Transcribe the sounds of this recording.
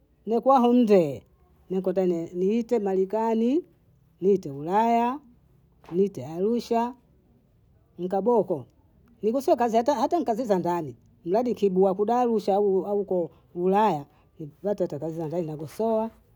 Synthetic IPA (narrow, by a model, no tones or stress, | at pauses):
nɛkwaɦɔn̩dɛː | nɛkɔtanɛniitɛmalikani | niitɛulaja | nitɛaluʃa | ŋ̩kabɔkɔ | niɡɔsɔakazihatahataŋkazizandani | m̩ladikibuakuɗaːluʃauaukɔ | ulaja | nivatatakazizandaninaɡɔsɔwa